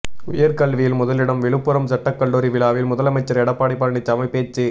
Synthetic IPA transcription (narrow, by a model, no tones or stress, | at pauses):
ʊ̰jɐɾkɐɭʋɪjɪlmʊðɐlɪɽɐmʋɪɭɯpːɯɾɐmsɐʈːɐkːɐɭːoːɾiʋɪɭaːʋɪlmʊðɐlɐmɐɪt͡ʃːɐɾɛɽɐpːaːɽɪpːɐɾɳɪt͡ʃːɐmɐɪpːeːt͡ʃːi